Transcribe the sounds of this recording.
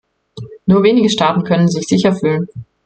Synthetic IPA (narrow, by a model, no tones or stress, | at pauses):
nuːɐveːnɪɡəʃtaːtn̩kʰœnənzɪçz̥ɪçɐfyːlən